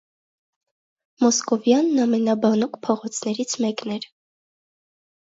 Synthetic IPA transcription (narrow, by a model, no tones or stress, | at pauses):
mɔskɔvjɑnːɑmɛnɑbɑnɔkpʰɔʁɔt͡sʰnɛɾit͡sʰmɛknɛɾ